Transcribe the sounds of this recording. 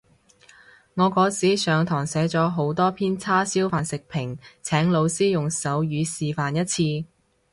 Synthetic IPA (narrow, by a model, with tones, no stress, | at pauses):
ŋɔː˨˧kɔː˨˥siː˨˥sœː˨˧ŋt̪ʰɔː˨˩ŋsɛː˨˥t͡sɔː˨˥ɦo˨˥wt̪ɔː˥pʰiː˥nt͡sʰaː˥siː˥wfaː˨nsɪ˨k̚pʰɪ˨˩ŋt͡sʰɛː˨˥ŋlo˨˧wsiː˥jʊ˨ŋsɐ˨˥wjyː˨˧siː˨faː˨njɐ˥t̚t͡sʰiː˧